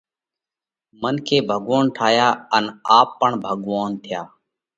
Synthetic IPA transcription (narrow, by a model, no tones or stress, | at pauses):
mənkʰeːbʱəɠʋoːɳʈʰaːjaːənaːpːəɳbʱəɠʋoːnt̪ʰɪjaː